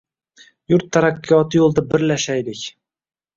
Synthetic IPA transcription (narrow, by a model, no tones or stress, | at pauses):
jʊɾt̪ʰːaɾakʲʰːijɒt̪ʰɨjolˠd̪abɪɾlaʃajlɪkʲ